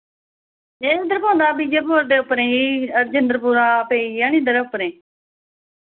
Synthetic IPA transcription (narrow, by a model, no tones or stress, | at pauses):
ẽːĩd̪əɾpõːnd̪aːbiːd͡ʒeːpoːɾd̪eːʊpːəɾẽːiːəɾd͡ʒənd̪əɾpuɾaːpeːijaːnĩːnd̪əɾʊpːəɾẽː